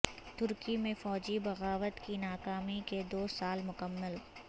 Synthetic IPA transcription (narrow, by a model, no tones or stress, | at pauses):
t̪ʊɾkimẽfɔːd͡ʒibɐɣaːʋət̪kinaːkaːmiked̪oːsaːlmʊkəmːəl